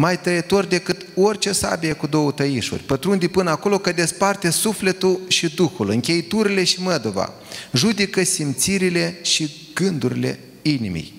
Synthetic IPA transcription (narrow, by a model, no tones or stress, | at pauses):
majt̪əjet̪o̞rʲd̪e̞kɨt̪o̞rʲt͡ʃe̞sa̰bijekud̪o̞wət̪əjiʃṵrʲpət̪ɾund̪ipɨnəako̞lo̞kəd̪e̞spart̪e̞sufle̞t̪ulʃid̪uxulɨŋkʲe̞jit̪uɾile̞ʃiməd̪ova̰ | ʒud̪ikəsimt̪siɾile̞ʃi | ɡ̥ɨnd̪uɾile̞̰ | inḭmḭj